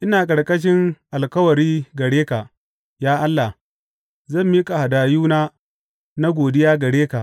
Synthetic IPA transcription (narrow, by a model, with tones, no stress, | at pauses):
ʔɪ˦naː˨kʼɐ˨ɽkʼɐ˦ʃ̬ɪ˦ŋʔa˨lkɐ˦wɐ˨ɾiː˦ɡɐ˨ɽeː˦ka˨ | jaː˦ʔa˦lːa˨ | zɐ˦˨mːiː˦kʼa˨ha˨daː˨juː˦naː˦ | na˦ɡʷoː˨dɪ˦jaː˦ɡɐ˨ɽeː˦kaː˨ʔ